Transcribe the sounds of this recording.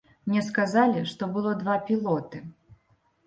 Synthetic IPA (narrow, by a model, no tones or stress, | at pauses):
mnʲɛskazalʲiʂt̪ɔbɨlˠɔd̪vapʲilˠɔt̪ɨ